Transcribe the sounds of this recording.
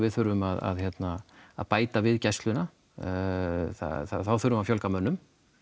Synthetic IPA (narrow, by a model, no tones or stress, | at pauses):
vɪðθʏɾvʏmaða̰ðçɛt̪naa̰ðpaːjt̪avɪðcast̪lʏna | θa̰θaθawθʏɾʏmafjɔlkamœnːʏm